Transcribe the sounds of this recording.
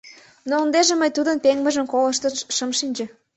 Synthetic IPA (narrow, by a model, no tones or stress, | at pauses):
noənd̪eʒĕməjt̪ud̪ənpeŋmə̆ʒə̆mkolə̆ʃt̪əʃəmʃinʲd͡ʑə̆